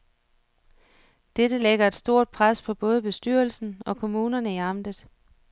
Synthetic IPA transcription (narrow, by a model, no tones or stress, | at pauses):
d̥ed̥əleɡ̥ɐe̝d̥sd̥o̝ɐ̰d̥̚pʰʁaspʰɒ̽b̥ɔ̽ːð̞̩ˠb̥e̝sd̥yɐ̰l̩sn̩ɒ̽kʰo̝muːnɐnəiɑ̈m̰d̥ð̩ˠ